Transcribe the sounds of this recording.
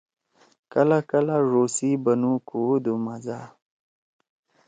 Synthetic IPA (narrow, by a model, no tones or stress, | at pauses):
kəlakəlaʐosibənukud̪umaza